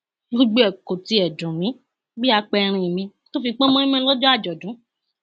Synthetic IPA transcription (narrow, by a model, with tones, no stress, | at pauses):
o˦ɡ͡be˦ɛ˨ko˨ti˧˦ɛ˨dũ˨mĩ˨˦ | bi˦a˧k͡pɛ˧ɾ̃ĩ˧˨mĩ˧ | to˦fi˧k͡pɔ˦mɔ̃˦ĩ˦mɛ̃˦lɔ˦d͡ʒɔ˦a˦˨d͡ʒɔ˨dũ˨˦